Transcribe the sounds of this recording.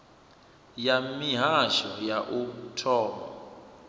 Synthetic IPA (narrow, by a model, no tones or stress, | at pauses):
jamiɦaʃɔjaʔutʰɔːmɔ